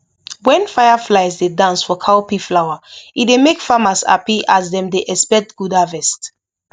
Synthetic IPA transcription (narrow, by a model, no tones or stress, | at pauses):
wɛ̃nfajaflaɪzdedãnsfɔkʰaopiflawaitdemekfamasa̰piʔazdɛ̃mdeʔɛspɛk̚tɡ̥udavɛst